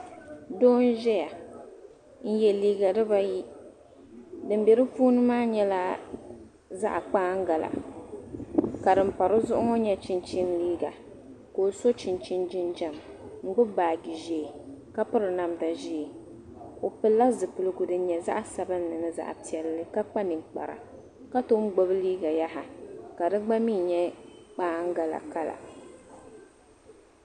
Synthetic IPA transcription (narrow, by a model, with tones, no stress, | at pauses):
doː˦n˦ʒɛ˦ja˨ | n̩˦jɛ˦liː˦ɡa˨dɨ˦ba˦ji˦ | dɨ˨m˦bɛ˨ɾɨ˦puː˦nɨ˦maː˦ɲɛ˦la˦ | za̰˦ʔk͡paː˦ŋ̩˦ɡa˨la̰˨ | ka˨dɨ˨m̩˦pa˨ɾɨ˦zʊ˦ʔʊ˦ŋɔ˦ɲɛ˦t͡ʃɪ˨nt͡ʃi˦mliː˦ɡa̰˨ | ko˨so˦t͡ʃɪ˨nt͡ʃi˦nd͡ʒɪ˦nd͡ʒa˨mŋ͡m̩˦ɡ͡bʊ˦baː˨ɡi˨ʒe˨ka˦pɨ˦ɾɨ˨na˦mda˨ʒi˦˨ | o˨pɨ˦lːa˦zɨ˨pɨ˨lɨ˨ɡʊ˨dɨ˨˦ɲɛ˨za̰˦ʔa˦sa˦bɨ˦nː˦ɨ˨nɨ˨za̰˨ʔa˨pi˨ɛ˨lːɨ˦ka˦k͡pa˦nɨ˨ŋk͡pa̰˨ɾa̰˨ | ka˦to˦m˦ɡ͡bo˦bɨ˦liː˦ɡa˨ja˦ɦa˨ka˨dɨ˦ɡ͡ba˦miː˦˨ɲɛ˦k͡paː˦ŋ̩˦ɡa˨la̰˨ka˦la̰˨